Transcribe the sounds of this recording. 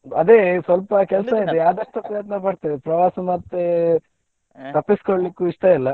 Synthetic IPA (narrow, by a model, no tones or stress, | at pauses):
ɐ̰d̪eːsʋɐlpɐkɛlsɐid̪ejaːd̪ɐʂʈupɾɐjɐt̪nɐpɐɖt̪idepɾɐʋaːsɐmɐt̪ːe | t̪ɐpːiskoɭlikːuiʂʈɐilːɐ